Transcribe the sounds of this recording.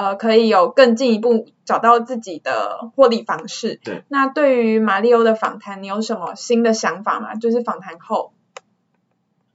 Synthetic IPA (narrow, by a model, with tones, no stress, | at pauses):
ə˧kʰɤ˧˥i˨˩jo˨˩ʊkə˥˧ŋt͡ɕi˥˩ŋi˧˥pu˥˩ | ʈ͡ʂɑ˨˩ʊt̪ɑ˥˧ʊt͡sɹ̩˥˩t͡ɕi˨˩d̪ə̰˩xwɔ˥˧li˨˩fɑ˧˥ŋʂɻ̩˥˩na˥˧t̪we˥˩ɪy˧˦ma˨˩li˥˩o˥ʊd̪ə˨fɑ̰˨˩ŋt̪ʰa˧˥ni˨˥jo˧˥ʊʂə˨˥nmə˧ɕi˥nd̪ə˨ɕjɑ˧˥ŋfa̰˨˩mɐ̰˨˩t͡ɕjo˥˧ʊʂ̬ɻ̩˥˩fɑ˨˩ŋt̪ʰa˧˥nxo˥˩ʊ